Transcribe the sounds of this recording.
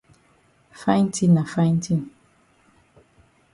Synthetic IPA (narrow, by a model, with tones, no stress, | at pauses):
fa˦jn˦tʰĩ˦nːã˨fa˦j̃n˦tʰi˦n